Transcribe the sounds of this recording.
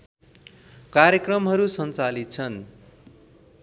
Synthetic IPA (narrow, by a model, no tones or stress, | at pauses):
kaɾjekrʌmɦʌɾusʌnt͡salit̪̚t͡sʰʌn